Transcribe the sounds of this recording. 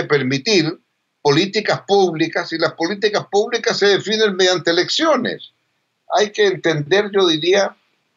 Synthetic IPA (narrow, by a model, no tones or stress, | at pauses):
epeɾmit̪iɾ | po̞lit̪ikaspuβlikasilaspo̞lit̪̬ikaspuβlikasːeðefinenmeðjant̪eleksjonḛs | ajkeːnt̪endd̪eɾʝoðiɾia